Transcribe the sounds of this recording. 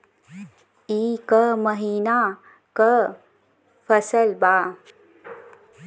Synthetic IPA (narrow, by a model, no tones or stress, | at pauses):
iːkəməɦiːna | kə | fɐsəlbaː